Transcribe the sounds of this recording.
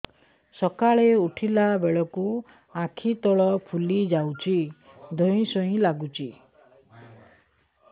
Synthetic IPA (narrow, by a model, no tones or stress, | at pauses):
sɔkaɭeuʈʰilabeɭɔku | ãkʰit̪ɔɭɔpʰulid͡ʒawt͡ʃʰi | d̪ʱɔĩsɔɦĩlaɡut͡ʃʰi